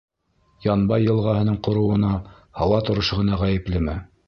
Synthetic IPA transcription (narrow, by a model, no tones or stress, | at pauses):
jɑnbɑjːɤ̆lˠʁɑɦɤ̆nɤɴqŏɾɤ̆wɤ̆nɑ | hɑwɑt̪ŏɾɤ̆ʃɤʁɤ̆nɑʁæjɘ̆plɘmɘ